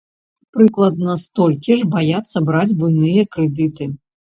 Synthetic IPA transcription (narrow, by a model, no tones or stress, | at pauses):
pɾɨklˠɐd̪nɐst̪ɔlʲkʲiʐbajat̪sːɐbɾad͡zʲbujnɨjɐkɾɛd̪ɨt̪ɨ